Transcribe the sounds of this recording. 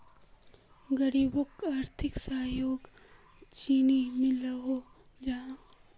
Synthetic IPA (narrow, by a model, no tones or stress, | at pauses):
ɡəɾibokaːɾt̪ʰɪksaɦjoːɡ | t͡ʃiːnimɪlaɦo | d͡ʒã